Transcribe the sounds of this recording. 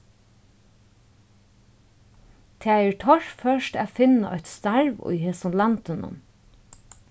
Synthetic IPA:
t̪ʰeːɛːɹtʰɔɹ̥fœʃʈæːfɪnaʔɔ̰ʏt̪st̪ɑɹʋʊ̰jheːsʊnlɑnt̪ɪnʊ̰n

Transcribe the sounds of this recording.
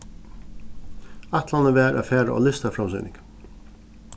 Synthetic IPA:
at̪lanəʋɛːɾʔa̰fɛːɾaʔɔ̰lɪst̪afɾamsʏ̰ːnɪ̰ŋk

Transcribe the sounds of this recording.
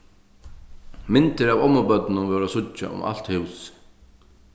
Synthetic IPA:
mɪnt̪ɪɾavɔmːʊpœt̪nɪnʊnvɛːɾasʊt͡ʃːa̰ʊ̰mʔa̰l̥t̪hɪws

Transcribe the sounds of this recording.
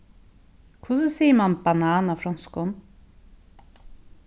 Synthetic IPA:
kʰvʊs̬əsiːəmanbanaːnafɾɔnskɔn

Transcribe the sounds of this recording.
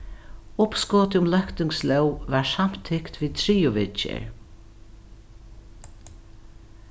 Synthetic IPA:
ʊpskɔːt̪ɪʊmlœkt̪ɪŋslœwvaɹsam̥t̪ʰɪkt̪viːt̪ʰɾiːʊʋɪt͡ʃɪ̰ɹ

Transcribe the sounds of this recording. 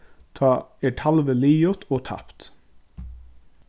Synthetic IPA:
t̪ʰɑːeːʈʰɑlʋəliːjɔt̪ʰoːt̪ʰɑ̰pt̪

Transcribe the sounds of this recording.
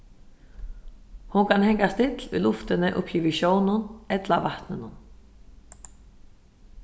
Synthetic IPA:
hunkʰanɦeɲkast̪ɪt̪lʏ̰luft̪ɪnːɪʔʏ̰hpçiːvɪɕjoːwnʊnɛt̪lavaht̪nʏnːʏn

